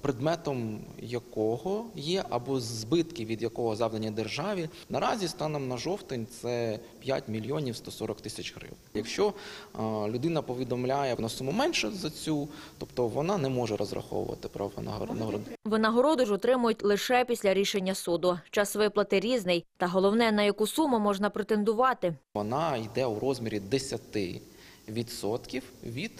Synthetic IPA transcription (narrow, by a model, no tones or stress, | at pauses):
pɾɪd̪mɛt̪ɔmjɐkɔɦɔjɛʔɐbɔzbɪt̪kɪʋʲid̪jɐkɔɦɔzɑʋd̪ɐnʲːɐd̪erʒɑʋʲi | nɐɾɑzʲist̪ɑnɛmnɐʒɔwt̪ɪnʲt̪sɛ | pʲja̰tʲmʲilʲjɔnʲiwst̪ɔsɔɾɔkt̪ɪsʲɐt͡ʃɦɾɪ̰wnjɐkʃt͡ʃɔ | lʲʊd̪ɪnɐpɔʋʲid̪ɔmlʲajɛnɔsʊmʊmɛnʲʃɛzɐt͡sʲut̪ɔpt̪ɔʋɔnɑnɛmɔʒɛɾɔzɾɐ̰xɔ̰wʊ̰ʋɐ̰t̪ɪpɾɐʋ̰nɐɦnɐɦɾɔd̪ɪʋɪnɐɦɔɾɔd̪ʊʒɔt̪ɾɪmʊjʊtʲlˠɪʃɛpʲisʲlʲɐɾʲiʃenʲːɐsud̪ʊt͡ʃɑsʋɪplˠɐt̪ɪɾʲiznɪjt̪ɐɦɔlˠɔwnɛnɐjɐkusumʊmɔʒnɐpɾet̪e̞nd̪ʊʋɑt̪ɪʋɔnɑid̪ɛuɾɔzmʲiɾʲid̪esʲɐt̪ɪ̰ | ʋʲid̪sɔt̪kʲiwʋʲid̪̥